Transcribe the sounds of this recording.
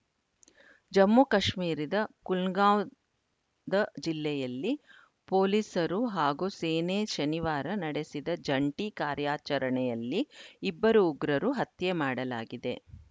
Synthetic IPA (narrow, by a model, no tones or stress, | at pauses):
d͡ʒɐmːukɐʃmiːɾid̪ɐkulɡaːw | d̪ɐd͡ʒilːɛjɐlːi | poːlisɐɾuɦaːɡuseːneʃɐniʋaːɾɐnɐɽe̞sid̪ɐd͡ʒɐɳʈikaːɾjaːt͡ʃɐɾɐɳɛjɐlːiːbːɐɾuːɡɾɐɾuɦɐt̪jemaːɽɐlaːɡid̪e̞̰